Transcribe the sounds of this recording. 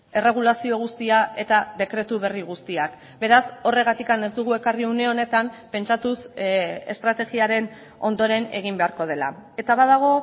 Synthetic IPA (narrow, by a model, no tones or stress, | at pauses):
e̞re̞ɣ̞ulasio̞ɣ̞ust̪iaʔe̞t̪aðe̞kɾe̞t̪uβ̞e̞riɣust̪iak | be̞ɾaso̞re̞ɣ̞at̪ikane̞zd̪uɣ̞ue̞kariune̞o̞ne̞t̪ampe̞nt͡ʃat̪use̞̰st̪ɾat̪e̞ɣiaɾe̞n | o̞̰nd̪o̞ɾe̞ne̞̰ɣ̞imbe̞aɾko̞ð̞e̞la̰e̞t̪aβaðaɣ̞o̞